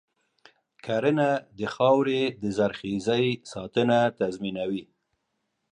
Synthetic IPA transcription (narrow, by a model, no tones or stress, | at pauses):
kʰaɾənad̪əxɑwɾed̪əzaɾxizəjsɑt̪ənat̪azminawi